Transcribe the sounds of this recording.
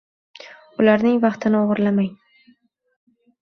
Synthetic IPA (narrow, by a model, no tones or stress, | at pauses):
ʊlaɾnɪŋvɑχt̪ʰɪnɪoʁɨɾlamaŋ